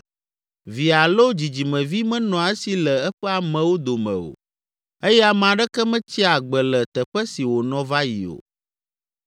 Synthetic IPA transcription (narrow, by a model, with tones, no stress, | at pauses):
vi˨a˨lo˦d͡ʑi˨d͡ʑi˨mɛ̃˨vi˦mɛ̃˦nɔ̃˨a˨ɛ˦si˨lɛ˨ɛ˦ɸɛ˦a˨mɛ̃˨wo˦d̪o˨mɛ̰̃˨o̰˨ | e˦jɛ˦a˨m˨ã˨ɖɛ˦kɛ˦mɛ̃˦t͡ɕi˦a˨ɡ͡bɛ˨lɛ˨t̪ɛ˨ɸɛ˦si˨wo˨nɔ̃˨va˦jḭ˨o̰˨